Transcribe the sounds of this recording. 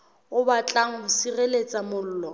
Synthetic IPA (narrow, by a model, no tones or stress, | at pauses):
ʊbat͡ɬʼaŋ̩bʊsirelet͡sʼamʊl̩ːlɔ